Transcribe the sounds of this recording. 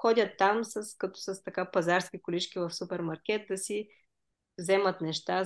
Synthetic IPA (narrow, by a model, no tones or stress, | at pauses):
xɔd̪ʲət̪ːamsɐskɐt̪o̥sɐst̪ɐkapɐzaɾskʲikʊlit͡ʃkʲivɐfsupɛɾmɐɾkʲɛt̪̚d̪ɐsi | vzɛmət̪nɛʃt̪a